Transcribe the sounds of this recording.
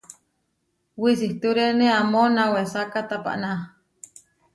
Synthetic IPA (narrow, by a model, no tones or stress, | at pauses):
wisiht̪uɾeneamonawesakat̪apa̰ʔna